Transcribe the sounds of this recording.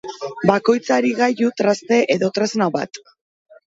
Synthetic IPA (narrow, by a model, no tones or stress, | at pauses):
bako̞jt͡saɾiɣajut̪ɾast̪e̞ʔe̞ðo̞t̪ɾeznaβa̰t̪